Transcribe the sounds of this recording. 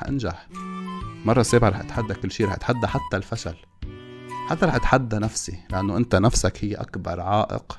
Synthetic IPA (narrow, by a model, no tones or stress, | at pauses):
ʔa̰nʒaħ | mɑrˤːɑseːbʕaɾˤɑːħʔɪt̪ħad̪ːakɪlːʃiːɾˤɑːħʔat̪ħad̪ːaħat̪ːalfaʃal | ħat̪ːɾˤɑːħʔɪt̪ħad̪ːanafsilaʔanːoʔɪnt̪anafsakhɪjːʔa̰kbɑɾˤʕɑːʔɪ̰q